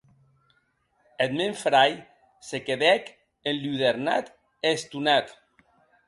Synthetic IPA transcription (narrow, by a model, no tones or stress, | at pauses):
et̪meɱfɾaj | sekeðɛk | enluðeɾna̰t̪ | est̪unat̪